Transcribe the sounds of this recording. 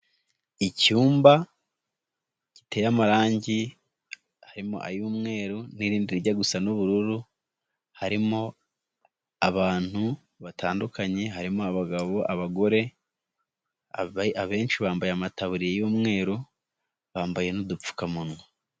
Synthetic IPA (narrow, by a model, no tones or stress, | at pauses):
icuːmba | ci̥te̞jamaɾaːɲɟi | haɾimo̰ʔa̰juːmŋe̞ːɾuniɾiːndiɾiɟaɡusanoβuɾuɾu | haɾimo̞ | aβaːn̥hu | βatʰaːndukʰaɲe̞ɦaɾimoaβaɡaβo̞ʔaβaɡo̞ɾe̞ | aβaβe̞ːnʃiβaːmbajeamataβuɾijejuːmŋe̞ːɾu | βaːmbaje̞nudup͡fu̥kamunwe